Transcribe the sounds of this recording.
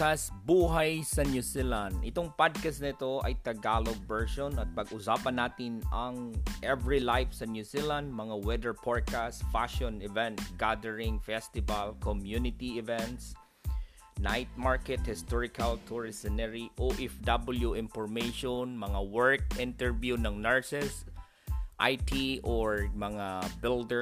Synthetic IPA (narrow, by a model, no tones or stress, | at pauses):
kasbuːɦajsɐnjusilãnd̪ʔɪt̪oŋpad̪̚kasnɪt̪oʔɐjt̪ɐɡaːloɡ̚bɛɹʃonɐt̪̚pɐɡʊsaːpɐnːaːt̪ɪnɐŋʔɛvɹilajfsɐnjusilãnd̪̚mɐŋawɛd̪ɛɹpʰɔɹ̚kast̪faʃɔnɛvɛ̃nt̪̚ɡad̪ɛɹɪŋfɛst̪ɪvalkʰɔmjunɪt̪iɪvɛ̃nt̪s | najt̪̚maɹkɛt̪̚hɪst̪ɔɹɪkʰalt̪ʰuɹɪsɪnɛɹiʔoʔɛfd̪abɪljuʔɪ̃nfɔɹmeʃɔnmɐŋawɛɹk̚ʔɪnt̪ɛɹvjunɐŋnɛɹsɛs | ʔajt̪ʰiʔɔɹmɐŋabɪld̪ɛ